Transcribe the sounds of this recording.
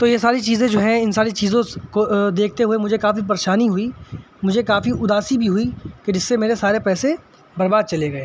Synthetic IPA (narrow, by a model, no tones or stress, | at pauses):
t̪oːjesaːɾit͡ʃiːzẽd͡ʒoːɦɛ̃ɪnsaːɾit͡ʃiːzõkod̪eːkʰt̪eɦuemʊd͡ʒʱekaːfip̬ɐɾeːʃaːniɦʊi | mʊd͡ʒʱekaːfiʊd̪aːsibʱiɦʊiked͡ʒɪsːemeːɾesaːɾepɛːsẽ | bɐɾbaːd̪̚t͡ʃɐleɡɐeː